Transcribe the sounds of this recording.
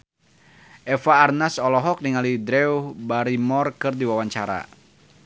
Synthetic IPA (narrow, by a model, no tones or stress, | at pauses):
ʔɛfaːrnasɔlɔɦɔk̚niŋalidɾɛubaɾimɔrkɨrdiwawaɲt͡ʃaɾa̰